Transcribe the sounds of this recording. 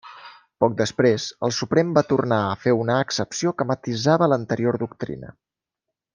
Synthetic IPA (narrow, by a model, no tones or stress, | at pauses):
pɔk̚d̪əspɾezə̰lˠsupɾɛmbat̪urnaəfeunəːksəpsiokəmət̪izaβələnt̪əɾioɾd̪uk̚t̪ɾḭnə̰